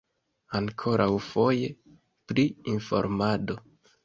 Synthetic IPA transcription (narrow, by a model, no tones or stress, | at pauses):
aŋkʰo̞ɾʔawfo̞je̞ | pɾiinfo̞̰ɾmado̞